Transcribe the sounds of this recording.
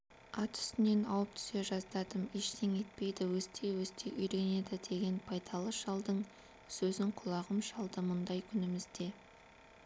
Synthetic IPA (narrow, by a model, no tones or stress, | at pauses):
ɑt̪ʰʏ̥st̪ɪne̞nɑwəp̚t̪ʰʏ̥se̞ʒɑzd̪ɑd̪əmeʃt̪ʰeŋe̞t̪̚pe̞jd̪ɪwɵst̪ʰe̞wɵst̪ʰe̞ʔʏjɾe̞ne̞d̪ɪd̪e̞ɡʲe̞npʰɑjd̪ɑlˠəʃɑlˠd̪əɴ | sɵzɪɴqʰʊlˠɑʁəmʃɑlˠd̪əmʊnd̪ɑjkʲʰʏnɪmɪzd̪e̞